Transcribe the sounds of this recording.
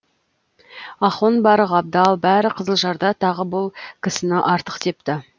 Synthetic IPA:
ɑχonbɑɾəʁɑb̚d̪ɑlˠbæɾɪqʰəzəlˠʒɑɾd̪ɑt̪ʰɑʁəbʊlˠkʲʰɪsɪnɪʔɑɾt̪ə̥qt̪e̞p̚t̪ɪ

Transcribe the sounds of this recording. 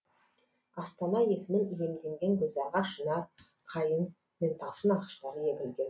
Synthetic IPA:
ɑst̪ɑnɑje̞sɪmɪnije̞md̪e̞ŋɡʲe̞ŋkʲʰɵzɑʁɑʃənɑɾ | qʰɑjən | me̞nt̪ʰɑsənɑqə̥ʃt̪ɑɾəje̞kʲɪlɡʲen

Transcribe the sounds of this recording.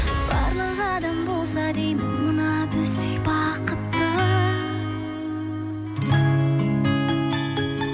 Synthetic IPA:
b̥ɑɾlˠɯʁɑd̪ɑmbolˠsɑd̪ejmunɑbøst̪ikbɑqət̪ːɯ

